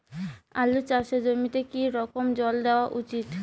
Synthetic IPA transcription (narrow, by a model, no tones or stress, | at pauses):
a̰lut͡ɕaʃed͡ʑomit̪ekiɾɔkomd͡ʑɔld̪eoaʔut͡ɕit̪